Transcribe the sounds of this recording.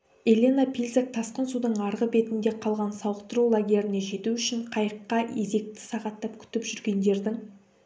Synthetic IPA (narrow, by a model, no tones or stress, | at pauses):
e̞lʲenapʰilʲzak̚t̪ʰɑsqənsud̪əɴɑɾʁəbe̞t̪ɪnd̪e̞qʰɑlˠʁɑnsɑwəqt̪əɾulˠaɡʲe̞ɾɪne̞ʒe̞t̪uʏʃɪɴqʰɑjəqːɑe̞ze̞k̚t̪ɪ̥sɑʁɑt̪ːɑpkʲʰʏ̥t̪ɪpʒʏɾɡʲe̞nd̪e̞ɾd̪ɪŋ